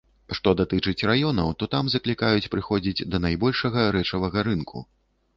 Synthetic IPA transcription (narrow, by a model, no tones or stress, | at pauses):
ʂt̪ɔd̪at̪ɨt͡ʂɨt͡sʲrajɔnɐ̰wt̪ɔt̪amzɐklʲikajut͡sʲpɾɨxɔd͡zʲid͡zʲd̪ɐnajbɔlʲʂɐɣɐɾɛt͡ʂɐvɐɣɐɾɨnkʰṵ